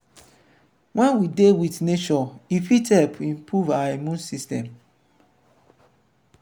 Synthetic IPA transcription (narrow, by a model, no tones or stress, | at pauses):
wɛ̃nwidewitnet͡ʃɔifitɛpʰĩmpɹuvaimũnsistɛ̃m